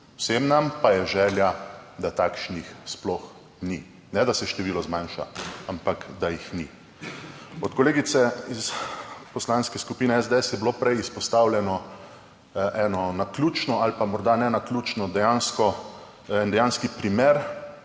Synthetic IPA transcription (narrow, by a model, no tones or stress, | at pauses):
wsemnampajɛʒɛːljad̪at̪aːkʃnixsplɔx | ni | nɛd̪asɛʃt̪ɛʋiːlɔzmãnʃa̰ampakd̪ajixnḭ | ɔt̪kɔleːɡit̪sɛispɔslaːnskɛskupiːnɛɛzd̪eɛsjɛbilopɾɛjispɔst̪awlʲjɛnɔ | ʔɛnɔnaklʲuːt͡ʃnɔalpamɔɾd̪anɛnaklʲuːt͡ʃnɔd̪ɛjanskɔ | ɛnd̪ɛjanskipɾimeɾ